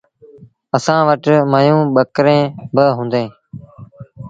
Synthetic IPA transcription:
əsãːʋəʈməjũːɓəkɾẽːbəɦũːnd̪ẽː

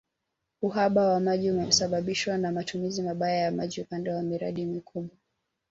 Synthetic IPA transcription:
uɦaɓawamaʄiumɛsaɓaɓiʃwanamatumizimaɓajajamaʄiupandɛwamiɾa̰ɗimikʰuɓwa

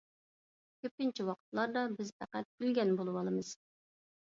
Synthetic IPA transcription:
kʲʰøp̚kʲint͡ʃʰiwɑqʰə̥t̪lˠɑɾd̪ɑbɪzpʰæqæt̪̚ylɡʲɛnbolˠɨwɑlˠɨmɨz̥

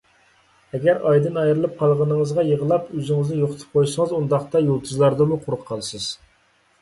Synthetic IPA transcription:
ɛɡʲæɾɑjd̪ɨnɑjɾɨlˠɨp̚qʰɑlˠʁənɨŋəzʁɑjəʁəlˠɑpøzɪŋɨznɪjoqʰət̪ʰɨ̥p̚qʰojsəŋəzund̪ɑχt̪ɑjolˠt̪ʰɨzlˠɑɾd̪ɨmuqʰʊɾʊqqʰːɑlˠɨsɨz̥

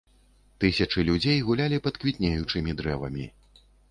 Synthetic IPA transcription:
t̪ɨsʲɐt͡ʂɨlʲud͡zʲejɣulʲalʲipɐt̪kvʲit̪ʲnʲejut͡ʂɨmʲid̪ɾɛvɐ̰mʲḭ

